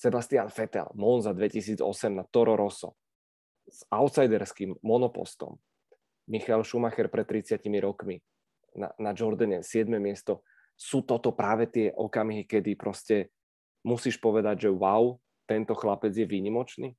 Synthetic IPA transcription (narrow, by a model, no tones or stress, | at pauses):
sɛbast̪ɪanfɛt̪ɛ̰lmɔnzad̪ʋɛcisiːd͡zɔ̰sɛmnat̪ɔɾɔɾɔsɔ̰ | z̥aʊt̪sajd̪ɛɾskimːɔnɔpɔ̰st̪ɔ̰m | mixaɛlʃumaxɛɾpɾɛt̪t̪ːɾit͡sɪacimiɾɔkmi | na̰nad͡ʒɔɾd̪aɲɛsɪɛd̪mɛmɪɛst̪ɔ | suːt̪ɔt̪ɔpɾaːʋɛt̪ɪɛʔɔ̰kamɦikɛd̪ipɾɔscɛ | musiːʃpɔʋɛd̪aɟʒɛwaw | t̪ɛnt̪ɔxlapɛd͡zjɛʋiːɲimɔt͡ʃniː